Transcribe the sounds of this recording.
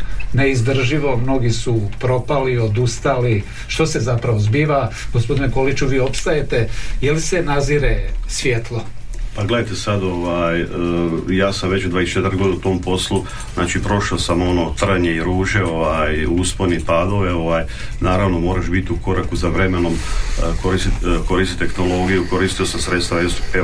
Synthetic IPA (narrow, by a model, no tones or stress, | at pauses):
ne̞izd̪r̩ʒiʋo̞mno̞ɡisupɾo̞palio̞d̪ust̪ali | ʃt̪o̞se̞zapɾaʋozbiːʋaɡospo̞d̪ineko̞lit͡ʃuʋiːo̞pst̪aje̞t̪e̞jelise̞naziɾesʋjet̪lˠo̞ | paɡle̞d̪ajt̪esad̪oʋajəjaːsamʋe̞t͡ɕud̪ʋaːest͡ʃe̞t̪ɾɡlod̪ut̪o̞ːmpo̞slu | zna̰ːt͡ʃipɾo̞ʃaosamo̞no̞t̪r̩ɲeiɾuːʒeo̞ʋajusponipaːd̪o̞ʋeo̞ʋaːj | naːɾaʋno̞mo̞ːɾaʃbit̪iuko̞ɾakuzaʋɾe̞menomko̞ɾist̪it̪ko̞ɾiːst̪it̪exno̞lˠo̞ːɡijuko̞ɾiːst̪io̞samsɾet̪st̪aʋajose